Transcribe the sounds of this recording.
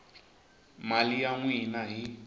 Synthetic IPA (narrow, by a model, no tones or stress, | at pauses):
malijaŋwinaɦi